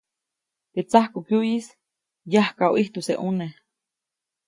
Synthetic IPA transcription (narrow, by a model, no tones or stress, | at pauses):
t̪et͡sahkukjuʔjis | jahkawʔiht̪useʔune